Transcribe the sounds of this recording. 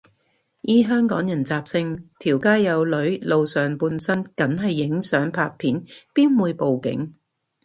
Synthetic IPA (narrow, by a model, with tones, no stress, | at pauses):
jiː˨˥ɦœː˥ŋkɔː˨˥ŋjɐ˨˩nt͡saː˨p̚sɪ˧ŋt̪ʰiː˨˩wkaː˥jːɐ˨˧wlɵ˨˥ɥlo˨wsœː˨˩ŋpuː˧nsɐ˥nkɐ˨˥nɦɐ˨jːɪ˨˥ŋsœː˨˥ŋpʰaː˧k̚pʰiː˨˥npiː˥nwuː˨˧jpo˨wkɪ̰˨˥ŋ